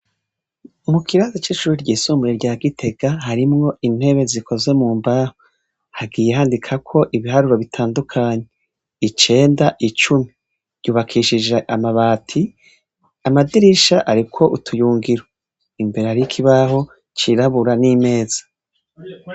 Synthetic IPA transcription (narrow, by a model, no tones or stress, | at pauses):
mukʰiɾazat͡ʃiʃuːɾiɾɟiːsuːmbuɾeɾɟaːɡitʰe̞ɡ̥aɦaɾimŋo̞ʔin̥he̞βe̞ziko̞zwe̞muːmbaho | haɡije̞ɦaːndikʰakʰo̞ʔiβiɦaɾuɾo̞βitʰaːndukʰaːɲe | it͡ʃe̞ːndaʔit͡ʃumi | ɾjɟuːβakʰiʃid͡ʒeʔamaβaːtʰi | amadiɾiʃaʔaɾikʰo̞ʔutʰujuːŋɡiɾo | imbe̞ɾe̞haɾikʰiβaɦo̞ | t͡ʃiɾaβuɾanime̞ːz̥ḁ